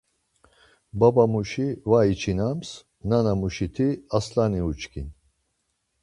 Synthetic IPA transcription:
babamuʃivait͡ʃʰinams | nanamuʃit̪ʰiaslaniut͡ʃʰkʰḭn

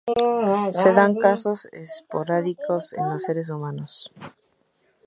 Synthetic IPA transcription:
se̞ðaŋkaso̞sespoɾaðikosḛnlose̞ɾes̬umãnos

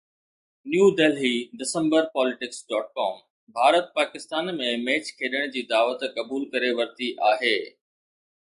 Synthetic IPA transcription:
njuːɖeːlɦiɖɪsə̃mbəɾpɔːlɪʈɪksɖɔːʈ̚kɔːm | bʱaːɾət̪̚paːkɪst̪aːnmẽmeːt͡ɕkʰeːɗəɽ̃d͡ʑiːd̪aːʋət̪kɐbuːlkɐɾeʋɐɾt̪iʔaːɦeː

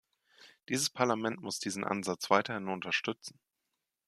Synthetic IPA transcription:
d̥iːzəspʰaɐlamɛntmʊsd̥iːzn̩ʔa̰nzat͡sv̥aɪtɐhɪnʊntɐʃtʏt͡sn̩

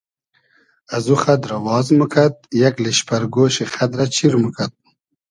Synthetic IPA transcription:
ɐzuxɐd̪ɾɐwɑːzmukʰɐt̪̚jɐkleɕpɐɾɡoːɕexɐd̪ɾɐt͡ɕʰiɾmukʰat̪̚

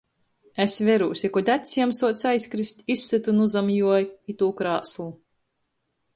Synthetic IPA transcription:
esvʲɛɾuːsʲikɔd̪ʲæt̪ʲsiɛmsuɔt̪sajsʲkɾist̪ʲisːɨt̪unuzamjuɔjit̪uːkɾaːslˠu

